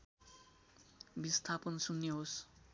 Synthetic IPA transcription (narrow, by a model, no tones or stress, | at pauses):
bist̪ʰapʌnsunːeɦos